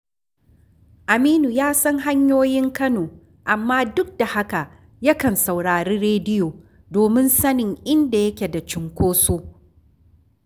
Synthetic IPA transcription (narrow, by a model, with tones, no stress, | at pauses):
ʔa˨miː˦nu˨jaː˦sɐ˦ŋɦa˦ɲjoː˦jɪ˦ŋkɐ˦noː˨ | ʔa˨mːaː˦dʊ˦k̚da˨ha˦ka˨ʔ | jɐ˦kɐ˨nsa˨wɽaː˨ɾiː˦ɾeː˦dɪ˦joː˨ | doː˨mɪ˦nsɐ˦nɪ˨ŋʔɪ˦nda˨jɐ˦kʲe˨da˨t͡ʃɪ˨ŋkʷoː˦soː˦